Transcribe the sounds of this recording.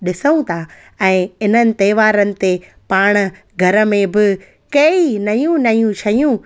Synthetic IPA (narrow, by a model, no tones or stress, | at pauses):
ɗɪsəũt̪ʰa | ɛ̃ːɪn̤ənɪ̆t̪ɐːɪʋaːɾənɪ̆t̪e | paːɽ̃̆ | ɡʱɐɾə̆mẽbɪ | kɐinɐjũnɐjũt͡ɕʰɐjũ